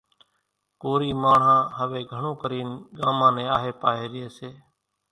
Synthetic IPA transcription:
koːɾiːmaːɳ̤ãːɦəʋeːɡʱəɳõːkəɾiːnɡaːmãːnẽːaːɦeːpaːɦeːɾɪɦeːseː

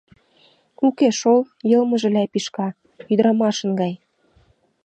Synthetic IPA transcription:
ukeʃol | jɤ̆lmə̆ʒĕlæpiʃkɑ | yd̪əɾɑmɑʃə̆nɡɑj

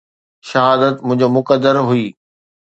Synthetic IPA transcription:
ʃɐɦaːd̪ət̪mʊ̃ɦɪ̃ɲd͡ʑomʊkəd̪ːəɾɦuiː

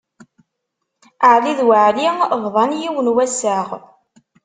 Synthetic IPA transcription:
əʕliðwəʕlivðˤɑnjiwənwæsaʁ

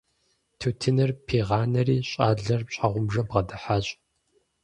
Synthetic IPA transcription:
tʰutʰɨnɨrpʰeːʁɑːnɐriːɕʼaːɮɐrpɕʼaʁʷʊmʒɐbʁɐdɐħaːɕʼ

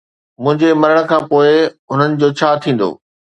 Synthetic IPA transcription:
mʊ̃ɦɪ̃ɲd͡ʑemɐɾəɽ̃ə̆kʰãːpoːɪ | ʊn̤ənɪ̆d͡ʑoːt͡ɕʰaːt̪ʰĩːn̆d̪o̰ː

